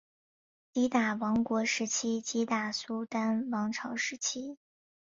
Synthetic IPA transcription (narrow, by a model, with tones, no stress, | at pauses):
t͡ɕi˧˥t̪a˨˩wɑ˧˥ŋkwɔ˧˥ʂɻ̩˧˥t͡ɕʰi˥t͡ɕi˧˥t̪a˨˩su˥t̪a˥nwɑ˧˥ŋʈ͡ʂʰɑ˧˥ʊʂɻ̩˧˥t͡ɕʰi˥